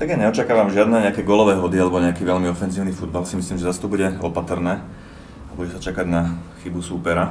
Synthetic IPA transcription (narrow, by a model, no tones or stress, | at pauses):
t̪aɡjaɲɛɔt͡ʃakaːʋamʒɪad̪nɛːɲɛakɛːɡɔlɔʋɛːɦɔd̪ialɛbɔɲɛakiːʋɛʎmiɔfɛnziːʊnifud̪balsimisliːmʒɛzast̪ɔbuɟɛɔpat̪rnɛː | abuɟɛsat͡ʃakaɟnaxibusupɛɾa